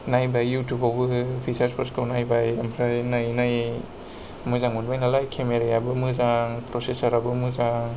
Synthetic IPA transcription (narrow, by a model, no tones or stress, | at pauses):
najbajːutubawbɯpʰisaɾspʰaskɯwnajbajɐmpʰɾajnajnaj | mɯzaŋunbajnalajkʰemeɾajabɯmɯzaŋpɾosesɐɾabɯmɯzaŋ